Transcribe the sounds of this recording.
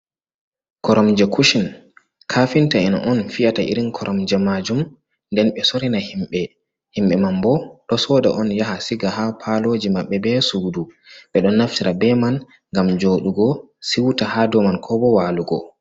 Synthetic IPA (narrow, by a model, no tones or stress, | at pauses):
kɔɾɔmd͡ʒɛkʰuʃin | kʰafintaɛna̰ʔɔnfiataʔḭɾinkʰɔɾʔɔmd͡ʒɛmad͡ʒum | ndɛnɓɛsoɾinahimɓɛ | himɓɛmambɔɗɔsɔda̰ʔɔnjahasiɡaɦapʰalod͡ʒimaɓːɛbɛsuduɓɛɗɔnːaftiɾabɛman | ŋɡamd͡ʒoɗuɡɔ | siwtahadɔmankʰɔbɔwaluɡɔ̰